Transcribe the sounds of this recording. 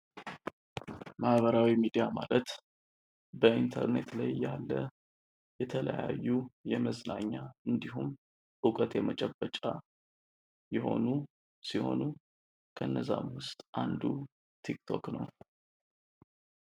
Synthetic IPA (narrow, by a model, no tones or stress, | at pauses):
mahβəɾawimid̪ijamalət̪ | bəint̪ʰəɾne̞t̪lajːalːə | jɛt̪ʰələ̰jajːujɛməznaɲːaɨnd̪iɦum | ɨkʼət̪jɛmət͡ʃʼəbːət͡ʃʼa | jɛho̞̰nu | siho̞̰nu | kʰəɨnːəza̰mwʊst̪ʼʔand̪u | t̪ʰikt̪ʰo̞knəw